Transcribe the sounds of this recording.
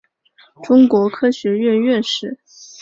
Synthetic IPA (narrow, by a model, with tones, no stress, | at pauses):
ʈ͡ʂʊ˥ŋkwɔ˧˥kʰɤ˥ɕɥɛ˧˥ɥɛ˥˧ɥɛ˥˧nʂɻ̩˥˩